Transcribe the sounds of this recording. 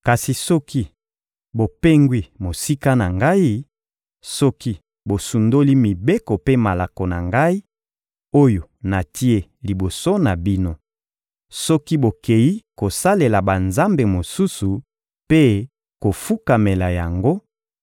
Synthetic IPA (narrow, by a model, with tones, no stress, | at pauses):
ka˨si˨sɔ˦ki˦ | bo˨pe˦ŋɡwi˦˨mo˨si˦ka˦na˨ŋɡa˦i˦ | sɔ˦ki˦ | bo˨su˨ndo˦li˦mi˨be˦kɔ˨pe˦ma˨la˨ko˨na̰˨ŋɡa˦i˦ | o˦jo˨na˨ti˦e˦li˨bo˨so˦na˨bi˦no˦ | sɔ˦ki˦bo˨ke˨ji˦ko˨sa˦le˨la˨ba˨nza˦mbe˨mo˨su˦su˨ | pe˦ | ko˨fu˦ka˨me˨la˨ja˨ŋɡo˦